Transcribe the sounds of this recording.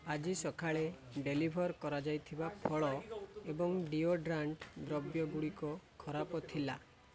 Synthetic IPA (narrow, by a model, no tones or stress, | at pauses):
ad͡ʒisɔkʰaɭe | ɖelibʱɔɾkɔɾad͡ʒajt̪ʰibapʰɔɭɔebɔŋɖioɖɾaɳʈd̪ɾɔbjɔɡuɽikɔkʰɔɾapɔt̪ʰila